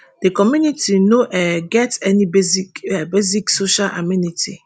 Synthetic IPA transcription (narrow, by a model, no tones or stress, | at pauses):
d̥ekɔmjunitinoʔɛɡɛtɛnibezikɛbeziksoʃalʔa̰minitḭ